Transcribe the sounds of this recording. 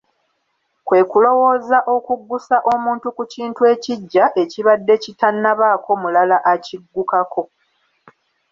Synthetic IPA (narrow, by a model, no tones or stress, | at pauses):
kwe̞ːkulo̞wo̞ːzaʔo̞kuɡːusaʔo̞muːntukuciːntue̞ːciɟːaʔe̞ciβadːe̞citanːaβaːkʰo̞mulalaʔaciɡːukakʰo̞